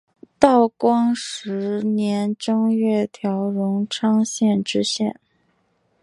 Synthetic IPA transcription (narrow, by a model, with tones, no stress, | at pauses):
t̪ɑ˥˩ʊkwɑ˥ŋʂɻ̩˧˥njɛ˧˥nʈ͡ʂɤ˥ŋɥɛ˥˩t̪ʰjɑ˧˥ʊɻʊ˧˥ŋʈ͡ʂʰɑ˥ŋɕjɛ˥˩nʈ͡ʂɻ̩˥ɕjɛ̰˥˩n